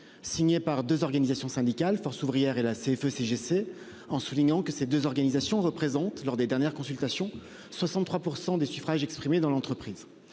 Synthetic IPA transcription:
siɲepaʁd̪øzɔʁɡanizasjɔ̃sɛ̃d̪ikalfɔʁsuvʁijɛʁelaseɛføseʒese | ɑ̃suliɲɑ̃kəsed̪øzɔʁɡanizasjɔ̃ʁəpχezɑ̃t̪lɔʁd̪ed̪ɛʁnjɛʁkɔ̃sylt̪asjɔ̃ | swasɑ̃t̪t̪ːχwapuʁsɑ̃d̪esyfχaʒɛkspχimed̪ɑ̃lɑ̃t̪χəpχiːz

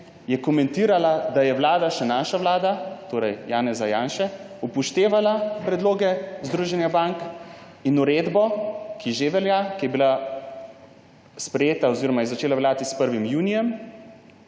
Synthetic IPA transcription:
jɛkɔmɛnt̪iːɾalad̪ajɛʋlaːd̪aʃɛnaːʃaʋlaːd̪at̪oːɾɛjjaːnɛzajaːnʃɛ | upɔʃt̪eːʋalapɾɛd̪loːɡɛzd̪ɾuːʒɛnjabaŋk | inuɾeːd̪bɔkiʒeʋɛljakijɛbila | spɾɛjeːt̪aɔziːɾɔmajɛzat͡ʃeːlaʋljaːt̪ispəɾʋimjuːnijɛm

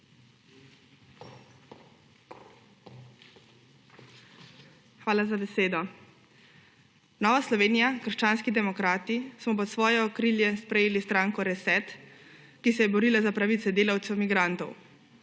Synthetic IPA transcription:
xʋaːlazabɛseːd̪ɔ | nɔːʋaslɔʋeːnijakəɾ̩ʃt͡ʃaːnskid̪ɛmɔkɾaːt̪ismɔp̬ɔt̪sʋɔːjɛɔkɾiːljɛspɾɛjeːlist̪ɾaːŋkɔɾɛsɛt̪kisɛjɛbɔɾiːlazapɾaʋit̪sɛd̪eːlawt̪sɛwmiɡɾant̪ɔw

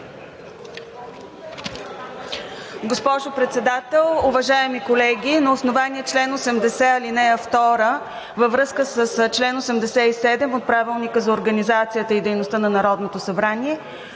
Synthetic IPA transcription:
ɡospɔʒopɾɛt̪sɛd̪at̪ɛlˠʊvɐʒaɛmikolɛɡʲinɐosnovaniɛt͡ʃlɛnosɛmd̪ɛsɛɐlinɛəft̪ɔɾə | vəvɾɤskəsəst͡ʃlɛnosɛmd̪ɛsɛisɛd̪ɛmot̪̚pɾavilˠnikəzɐoɾɡənizat̪sijət̪əid̪ɛjnost̪ənɐnɐɾɔd̪not̪osɐbɾaniɛ

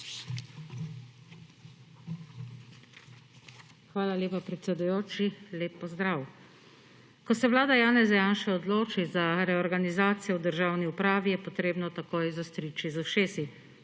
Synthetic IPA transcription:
xʋaːlaljeːpapɾɛt̪sɛd̪ujoːt͡ʃileːpːɔzd̪ɾaːw | kɔsɛʋlaːd̪ajaːnɛzɛjaːnʃɛɔd̪loːt͡ʃizaɾɛɔɾɡanizaːt̪sijɛwd̪əɾʒaːwniupɾaːʋijɛpɔt̪ɾeːbnɔt̪akoːjzast̪ɾit͡ʃizaʃeːsi

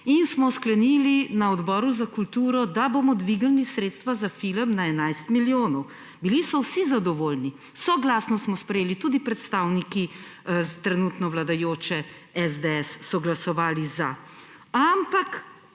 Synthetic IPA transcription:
insmɔsklɛnilinaɔd̪bɔːɾuzakult̪uːɾɔd̪aboːmɔd̪ʋiɡɐlnisɾeːt̪st̪ʋazafiləmnaɛnajst̪miljoːnɔw | bilisɔwsizad̪ɔʋoːlni | sɔɡlaːsnɔsmɔspɾɛjeːlit̪ud̪ipɾɛt̪st̪aːwniki | t̪ɾɛnuːt̪nɔwlad̪ajoːt͡ʃɛ | ɛzd̪eɛsːɔɡlasɔʋaːliza | ampak

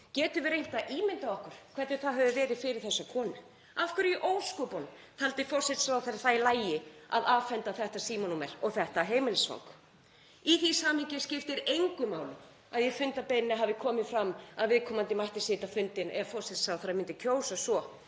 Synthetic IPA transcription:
cɛːt̪ʏvɪɾejn̥t̪aʔiːmɪnt̪aɔhkʏɾ̥kʰvɛɾt̪nɪ̥θaɦœvʏvɛːɾɪðfɪɾɪɾ̥θɛsːakʰɔːnʏ | afkʏɾʔoːwskɔpɔn | t̪ʰalt̪ɪfɔsɪt̪saːwθaɾθalaːjɪa̰ðaːvfɛnt̪aθɛht̪asiːmɔnumɛlɔɣθɛht̪aɦeːjmɪnɪsfa̰wŋk | iθisaːmhɪŋcɪscɪft̪ɪɾejŋkʏmaːwlʏ | aðjɛɾfʏnt̪apejnɪnaɦavɪkʰɔːmɪðfɾamːaðvɪðkʰɔːmant̪ɪmajht̪ɪsɪːt̪afʏnt̪ɪnʔɛ̰afɔr̥sɪt̪saːwθaɾamɪnt̪ɪcʰoːwsasɔ

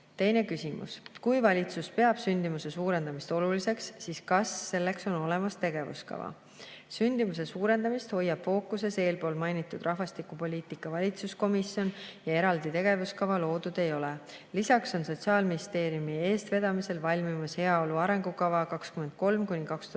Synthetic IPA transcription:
t̪e̞jne̞kysimṵskujvɑlʲit̪suspe̞ɑb̥synd̪̥imuse̞suːɾe̞nd̪ɑmist̪o̞lulise̞ksːiːskɑsːe̞lːe̞kso̞no̞le̞mɑst̪e̞ɡ̥e̞vṵskɑ̰vɑ̰ | synʲd̪̥imus̬e̞suːɾe̞nd̪̥ɑmist̪ho̞jːɑb̥fo̞ːkːˑuse̞se̞ːlpo̞ːlmɑjnit̪ːˑud̪rʔɑɦvɑst̪ikupo̞lʲiːt̪ˑikːˑɑvɑlʲit̪susko̞misjo̞njɑe̞ɾɑld̪it̪e̞ɡ̥e̞vuskɑvɑlo̞ːd̪̥ud̪̥e̞jo̞le | lisɑkso̞nso̞t̪siɑːlminʲist̪e̞ːɾiumie̞ːst̪ve̞d̪̥ɑmise̞lvɑlʲmimɑshe̞ɑo̞luɑɾe̞ŋɡ̥ukɑvɑkɑkskyme̞nd̪̥̚ko̞lmkunʲikɑkst̪u

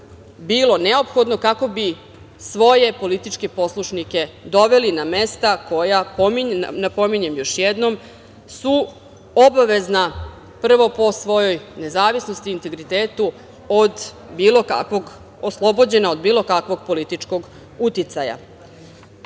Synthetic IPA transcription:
biːlo̞ne̞o̞pxo̞d̪no̞kako̞bi | sʋo̞je̞po̞lit̪it͡ʃke̞po̞slˠuʃnike̞d̪o̞ʋe̞liname̞st̪ako̞japominapo̞miɲe̞mjo̞ʃjed̪no̞m | su | obaʋe̞zna | pr̩ʋo̞po̞sʋo̞jo̞jne̞zaːʋisno̞st̪iːnt̪e̞ɡɾit̪eːt̪u | od̪ | biːlo̞ka̰kʋo̞ɡ | oslˠo̞bo̞d͡ʑe̞nao̞d̪biːlo̞kakʋo̞ɡ̚po̞lit̪it͡ʃko̞ɡ | ut̪it̪saja̰

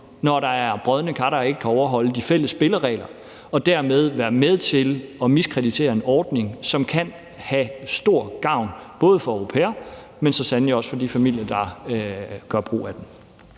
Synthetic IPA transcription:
nɒɾ̥ɑ̈æɐb̥ʁœð̞ˠənəkʰɑɾɐe̝ɡ̥əkʰæɒʊɐɦɒ̽l̰əd̥ifel̰əsːb̥e̝ləʁɛ̰ːlɐ | ɒ̽d̥æɐ̰með̞ˠʋæːɐmeð̞ˠt͡sʰe̝lɒ̽miskʰʁɛd̥it͡sʰe̝̰ːɐe̝nɒːd̥ne̝ŋsɒ̽mkʰæn | hæsd̥o̝ɐ̰ɡ̥ɑ̈ʊ̰nb̥ɔ̽ːð̞ˠəfɒ̽øʊʁo̝pʰḛːɐ | mensɒ̽sænliɒ̽sfɒ̽d̥ifæmil̰jɐd̥ɑ̈ | ɡ̥ɶɐb̥ʁo̝̰ːæd̥em

